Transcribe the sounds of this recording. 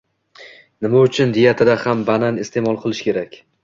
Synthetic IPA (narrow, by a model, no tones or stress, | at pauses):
nɪmaʊt͡ʃʰɪnd̪ɪjat̪ʰɪd̪ahambananɪst̪ʰe̞mɒlˠqʰɨlˠɪʃkʲe̞ɾakʲ